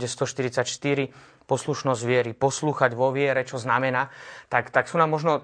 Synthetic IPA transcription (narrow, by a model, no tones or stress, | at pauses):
ɟɛst̪ɔʃt̪iɾit͡sacʃt̪iɾi | pɔsluʃnɔzɟʋɪɛɾipɔsluːxaɟʋɔʋɪɛɾɛt͡ʃɔznamɛnaːt̪akt̪aksuːnaːmːɔʒnɔ